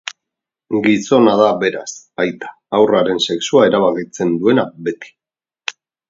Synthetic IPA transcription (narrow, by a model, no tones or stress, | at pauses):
ɡiso̞naðaβe̞ɾa̰s | ajt̪ḁ | awraɾe̞nse̞ksuae̞ɾaβ̞akit͡se̞nd̪ue̞nabe̞t̪i̥